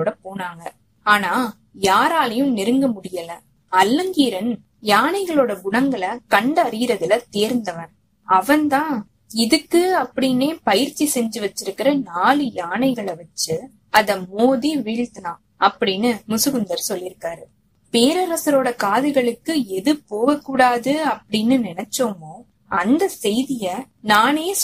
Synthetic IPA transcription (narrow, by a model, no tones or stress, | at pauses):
oːɽɐpoːnaːŋɡɐ | aːnaː | jaːɾaːlɐjɯ̃mnɪɾɯŋɡɐmʊɽɪjɐlɐ | ɐlːɐŋɡiːɾɐn | jaːnɐɪɣɐɭoːɽɐʊɽɐŋɡɐɭɐkɐɳɖɐɾɪɣɪɾɐðɪlɐt̪eːɾnd̪ɐʋɐn | ɐʋɐnt̪ãː | ɪðɯkːɯɐpːɐɽɪneːpɐjɪɾt͡ʃːisɛɲd͡ʒɯʋɐt͡ʃːɪɾɯkːɪɾɐnaːlɯjaːnɐɪɣɐɭɐʋɐt͡ʃːɯ | ɐðɐmoːðiʋiːɻt̪ɐnãː | ɐpːɐɽɪnːɯmʊsɯɣɯnd̪ɐɾsɔlːɪɾɯkːaːɾɯ | peːɾɐɾɐsɐɾoːɽɐkaːðɐɪɣɐɭɯkːɯɛðɯpoːɣɐkːuːɽaːðɯɐpːɐɽɪnːɯnɪnɛt͡ʃːoːmoː | ʔɐnd̪ɐsɛjðɪjɐ | naːneː